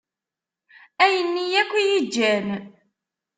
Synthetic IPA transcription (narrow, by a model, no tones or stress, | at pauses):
æjənːijækʷːijid͡ʒːæn